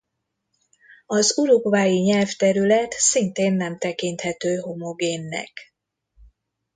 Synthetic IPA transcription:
ɒzuɾuɡvaːjiɲɛlft̪ɛɾylɛt̪sint̪eːnːɛmt̪ɛkint̪hɛt̪øːɦo̞mo̞ɡeːnːɛ̰k

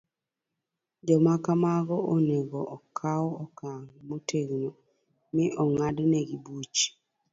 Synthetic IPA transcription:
d͡ʒɔmakamaɡɔʔoneɡɔʔɔkʰawɔkaŋmotʰeɡno | miʔɔŋadneɡibut͡ʃ

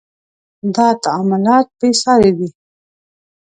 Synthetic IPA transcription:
d̪ɑt̪aːmʊlɑːt̪̚besɑɾewi

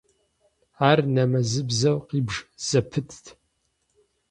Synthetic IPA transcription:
aːrnɐmɐzɨbzɐwqiːbʒz̥ɐpʰɨtʰtʰ

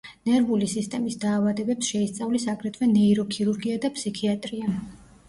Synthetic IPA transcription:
nɛɾvulisist̪ʼɛmisd̪aːvad̪ɛbɛpsʃɛist̪sʼavlisakʼɾɛt̪ʰvɛnɛiɾɔkʰiɾuɾɡiad̪apsikʰiat̪ʼɾia

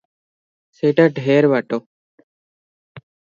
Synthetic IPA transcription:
seʈaɖʱɦeːɾʋaʈoː

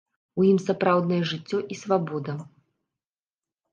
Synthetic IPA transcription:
ujimsapɾawd̪nɐjɛʐɨt͡sʲːɔʔisvabɔd̪ɐ

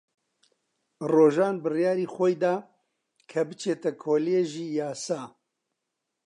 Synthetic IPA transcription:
roːʒaːnbɨrjaːɾiːxʷɔjd̪aː | kʰɐbɨt͡ʃʰeːt̪ɛkʰoːlijeʒiːjaːsaː

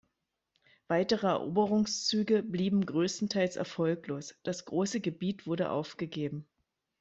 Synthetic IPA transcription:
v̥aɪtəʁəɛ̰ɐʔo̰ːbəʁʊŋst͡syːɡəbliːbm̩ɡʁøːstn̩tʰaɪlsɛ̰ɐfɔlkloːsd̥asɡ̥ʁoːsəɡəbiːtv̥ʊɐɾəʔa̰ʊfɡ̥əɡeːbm̩

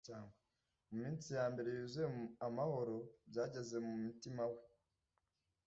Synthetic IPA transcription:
aːŋɡe | mumiːnt͡sijaːmbe̞ɾe̞juzeamaho̞ɾo̞bjaːɟe̞ze̞mumutimawe

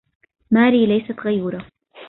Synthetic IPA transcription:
maːɾiːlajsat̪ɣajuːɾa

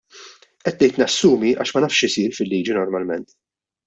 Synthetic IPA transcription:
ʔɛt̪ːnɛjt̪niɐsːuːmiʔɐ̰ːʃmɐnɐːfʃɪsiːɾfɪlːiːd͡ʒinɔɾmɐlmɛnt̪

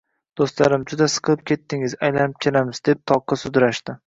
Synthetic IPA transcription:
d̪̥ost̪laɾɪmd͡ʒʊd̪asɨ̥qʰɨlˠɪp̚kʲʰe̞t̪ːɪŋɪzajlanɪp̚kʲʰelamɪzd̪e̞p̚t̪ʰɒqʰːɑsʊd̪ɾaʃt̪ɪ

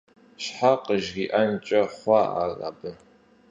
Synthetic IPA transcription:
ɕħaqəʒɡʲiʔɐnt͡ʃʼɐχʷɑʔa̰ːra̰bɨ

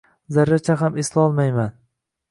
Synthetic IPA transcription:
zaɾːat͡ʃʰaɦameslɒlˠmajman

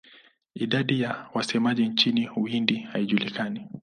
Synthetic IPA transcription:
iɗaɗijawasɛmaʄint͡ʃiniuindihaiʄulikani

